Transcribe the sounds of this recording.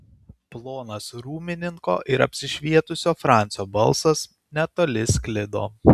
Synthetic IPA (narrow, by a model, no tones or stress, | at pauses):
plˠoːnɐsɾuːmʲɪnʲɪŋko̰ːʔɪɾɐ̰pʲsʲɪʃʲʋʲiɛt̪ʊsʲoːfɾɑˑnʲt̪sʲoːbɐlˠsɐs | nʲɛt̪oːlʲɪskʲlʲɪd̪o̰ː